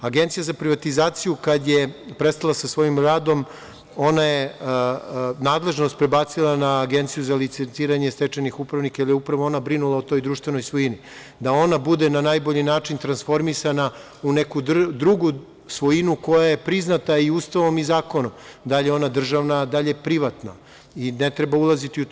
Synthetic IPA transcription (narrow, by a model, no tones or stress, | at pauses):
aɡent̪sijazapɾiʋat̪izaːt̪sijukad̪jepɾest̪alˠasasʋo̞jimɾaːd̪o̞m | o̞naje | naːd̪le̞ʒno̞st̪̚pɾe̞bat̪silˠanaːɡe̞nt̪sijuzalit̪sent̪iːɾaɲe̞st̪et͡ʃenixupɾaʋnikajilijeupɾaʋo̞o̞nabɾinulˠaot̪o̞jd̪ɾuːʃt̪vʋe̞no̞jsʋojini | d̪ao̞nabud̪enanaːjbo̞ʎinaːt͡ʃint̪ɾansfo̞ɾmisana | une̞kud̪d̪ɾuɡu | sʋojinuko̞jaje̞pɾiznat̪aiust̪aʋo̞mizaːko̞nomd̪aʎeo̞nad̪r̩ʒaʋnad̪aʎe̞pɾiʋat̪na̰ | inet̪ɾe̞baulˠazit̪iu